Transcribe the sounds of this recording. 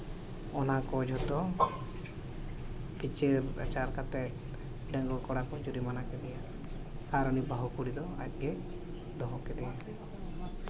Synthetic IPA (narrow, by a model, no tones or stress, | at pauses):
ɔnakɔd͡ʒʱɔt̪ɔ | pit͡ʃeɾɛ̰t͡ʃaɾkat̪ɛ | ɖəŋɡɔkɔɽakɔd͡ʒuɾimanakɛd̪ɛja | aɾɔnibaɦukuɽid̪ɔa̰t̚ˀɡɛ | d̪ɔɦɔkɛd̪ɛja